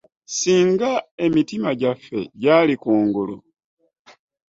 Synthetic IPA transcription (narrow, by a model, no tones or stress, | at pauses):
siːŋɡae̞mitimaɟafːe̞ɟaːlikuːŋɡulṵ